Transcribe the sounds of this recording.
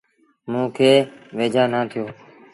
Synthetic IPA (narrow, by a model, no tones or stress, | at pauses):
mũːkʰeːʋeːd͡ʒʱaːnaːt̪ʰɪjoː